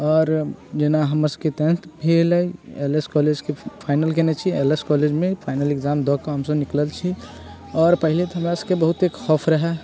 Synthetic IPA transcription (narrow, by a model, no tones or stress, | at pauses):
ɔːɾd͡ʒenaɦəməɾsəket̪ɛ̃nt̪bʱeləieleskɔled͡ʒkepʰaɪnəlkɛnɛt͡ʃʰieleskɔled͡ʒmẽpʰaɪnəlekd͡ʒamd̪ɔkaɦəmsəbnikləlt͡ʃʰi | ɔːɾpəɦilet̪ɔɦəmɾasəkebəɦut̪ekxɔpʰɾəɦɛ